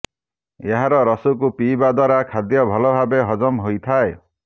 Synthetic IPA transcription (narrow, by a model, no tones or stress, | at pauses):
eɦaɾɔɾɔsukupiːbad̪waɾakʰad̪jɔbʱɔlɔbʱabeɦɔd͡ʒɔmɦojt̪ʰae